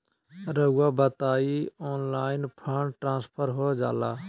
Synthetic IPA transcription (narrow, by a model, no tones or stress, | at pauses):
ɾəɡwabət̪aːiɔːnlaːɪnpʰəɳʈɾãːspʰəɾɦoːd͡ʒa̰ːlaː